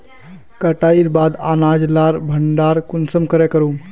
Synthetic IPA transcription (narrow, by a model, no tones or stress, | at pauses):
kəʈaiɾbad̪anad͡ʒlaɾbʱəɳɖaːɾkunsəmkəɾekəɾu